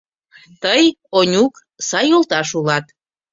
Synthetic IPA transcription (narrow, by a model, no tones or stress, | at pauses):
t̪əj | onʲuk | sɑjolˠt̪ɑʃulɑt̪